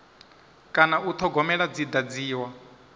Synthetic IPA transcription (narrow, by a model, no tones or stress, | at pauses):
kʼanaut̪ʰɔɡɔmɛɺad͡zid̪ad͡ziːwa